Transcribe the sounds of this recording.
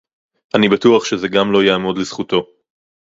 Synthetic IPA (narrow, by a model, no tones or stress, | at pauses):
ʔanibatuaχʃezeɡamlo̞jaːmo̞d̪lez̥χuto̞